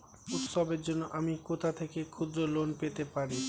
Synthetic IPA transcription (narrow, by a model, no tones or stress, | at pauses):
ut̪ʃobeɾd͡ʑonːoʔamikot̪ʰat̪ʰekekʰud̪ɾolonpet̪epaɾi